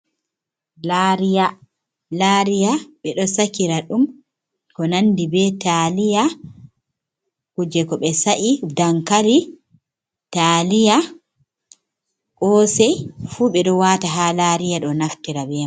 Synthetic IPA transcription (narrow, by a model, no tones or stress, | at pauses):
laɾija | laɾijaɓɛɗɔsakiɾaɗum | kɔnandibɛtalija | kud͡ʒɛkɔɓɛsaʔidaŋkaɾi | talija | kɔːsɛjfuɓɛɗɔwaːtaɦalaɾijaɗɔnaftiɾabɛ